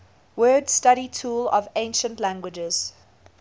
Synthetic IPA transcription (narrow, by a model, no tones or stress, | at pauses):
wɜːdstaɾitʰuːlɔ̰vẽɪ̃nʃə̃ntlæ̃ŋɡwɪd͡ʒɪz̥